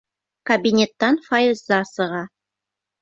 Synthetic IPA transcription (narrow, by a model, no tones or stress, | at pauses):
kɐbʲinʲet̪ːɑnfajɪzːɑsɤ̆ʁɑ